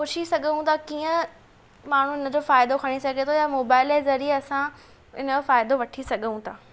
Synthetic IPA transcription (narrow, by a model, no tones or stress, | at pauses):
koːʃisɐɠʱəũt̪ʰakiːə̃ | maːɳ̤uɪnə̆d͡ʑoːfaːɪd̪okʰɐɽ̃isɐɡʱet̪ʰojamoːbaːɪleːzɐɾieɐsã | ɪnəfaːɪd̪oʋɐʈʰisɐɠʱəũt̪ʰaː